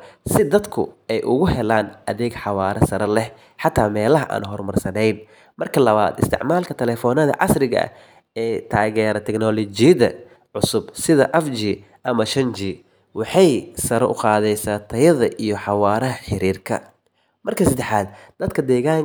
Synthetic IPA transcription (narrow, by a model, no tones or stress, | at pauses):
sɪd̪ɐd̪kʰʊ̰ɛjʔʊɣʊhɛlaːnʔɐðɛːɡħɑwɑːɾɐsɐɾɐlɛh | ħɑt̪ʰːaːmɛːlɐɦɐʔa̰ːnɦɔrmɐrsɐnɛjn | mɐrkʰɐlɐβa̰ːd̪ɪ̰st̪ʰɪ̰ʕmaːlkʰɐt̪ʰɛlɛːfɔːnɐðɐ̰ʕɑ̰srɪɣɐ̰ʔɐ̰ | ɛːt̪ʰaːɣɛːɾɐt̪ʰɛknɔlɔd͡ʒɪjɐðɐ̰ | ʕʊsʊbsɪðɐʔɛfd͡ʒiː | ʔɐmɐʃɐnd͡ʒiː | wɑħɑjsɐɾɐʔʊqɑːðɛjsaːt̪ʰɐjɐðɐʔijɞħɑwaːɾɐɦɐħɪɾiːrkʰɐ̰ | mɐrkʰɐsɐd̪ɛħaːd̪̚d̪̥ɐd̪kʰɐd̪ɛːɣaːŋ